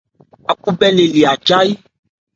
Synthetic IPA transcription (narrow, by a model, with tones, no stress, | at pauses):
a˨ku˦bɛ˦le˨li˨a˨d͡ʒa˦i˦